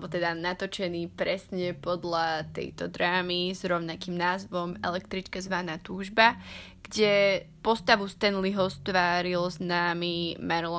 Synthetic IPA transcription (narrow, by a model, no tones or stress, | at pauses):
bɔt̪ɛd̪anat̪ɔt͡ʃɛniːpɾɛsɲɛpɔd̪lat̪ɛ̰jt̪ɔd̪ɾaːmizɾɔʊnakimnaːzʋɔmɛ̰lɛkt̪ɾit͡ʃkazʋanaːt̪uːʒba | ɡ̥ɟɛpɔst̪aʋust̪ɛnliɦɔst̪ʋaːɾilznaːmimaɾlɔ